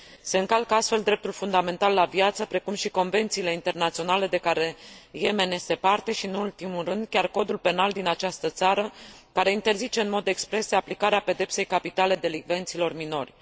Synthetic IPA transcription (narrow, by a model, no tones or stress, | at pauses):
se̞ɨŋkalkəast̪fe̞ld̪ɾe̞p̚t̪ulfund̪ame̞nt̪alːavjat̪səpɾe̞kumʃiko̞nve̞nt̪sile̞int̪e̞rnat̪sio̞nale̞d̪e̞kaɾe̞je̞me̞ne̞se̞part̪e̞ʃiɨnult̪imurɨnd̪kʲarko̞d̪ulpe̞nald̪inat͡ʃast̪ət̪saɾəkaɾe̞int̪e̞rzit͡ʃe̞ɨnmo̞d̪e̞kspɾe̞seaplikaɾeape̞d̪e̞pse̞jkapit̪ale̞d̪e̞liɡve̞nt̪silo̞rmino̞rʲ